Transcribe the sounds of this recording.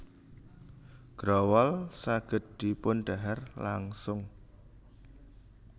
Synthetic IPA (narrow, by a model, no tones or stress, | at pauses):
ɡ̥ɾɔwɔlsaɡ̥ə̤t̪̚d̪̥i̤pʊnɖ̥aɦɛrlaŋsʊŋ